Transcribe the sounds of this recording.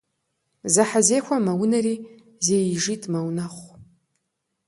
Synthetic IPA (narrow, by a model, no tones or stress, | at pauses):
zaħazeːxʷamawʊnariː | zejʐitʼmawnaχʷ